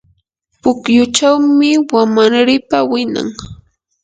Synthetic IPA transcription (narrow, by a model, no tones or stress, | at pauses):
pʊkjʊt͡ʃawmɪwamaɾɾɪpawɪna̰ŋ